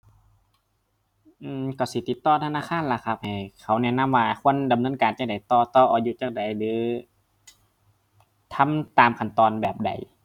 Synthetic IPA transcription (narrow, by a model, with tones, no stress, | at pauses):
ʔɯː˧kɔ˧˩si˧˦t̪i˨˧˦t̪ːɔː˧˥˨t̪ʰa˧naː˧˥˨kʰaː˧˥˨nla˧˩kʰa˧p̚ha˨˩jkʰa˧˩˦wnɛ˧˩˨na˧˥˨waː˧˩kʰu˧˥˨ə˨nda˨mnɤ˧˥˨nkaː˨nt͡ɕa˧k̚da˨˩˦jt̪ɔː˧˩t̪ɔː˧ʔɔː˨˩ju˧˦t͡ɕaː˧k̚da˨˦jlɯː˨˦ | t̪ʰa˧˥˨mt̪aː˨mkʰa˧˩nt̪ɔː˨˧nbɛː˨˩p̚da̰˨˦j